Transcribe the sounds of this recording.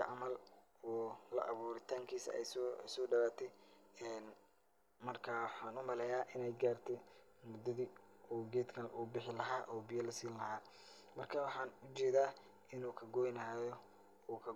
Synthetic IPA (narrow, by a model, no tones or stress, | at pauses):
ɐʕɑmɐl | ɔːlɐ̰ʔɐβuːɾɪt̪ʰaːŋkʰiːsɐ̰ɛ̰ssɔːɖɐβaːt̪ʰɛɛːn | mɐrkʰawɑħɑːnʊmɐlɛjaːʔɪnɛjɡaːrt̪ʰɛmʊd̪ːɐðiːuːɡɛːd̪kʰɐlʔʊ̰bɪħɪlɐɦaːʔɔːbɪjɐlɐsiːnlɐɦaː | mɐrkʰawɑħɑːnʊt͡ʃɛːðaː | ʔɪnuːkʰɐɡɔːjnaːjɔ | ɔːkʰɐ